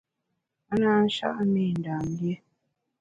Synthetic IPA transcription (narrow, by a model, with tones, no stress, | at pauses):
a˦naː˦n̩˦ʃa̰˦ʔni˦˨n̩˨daː˨n˦dje˦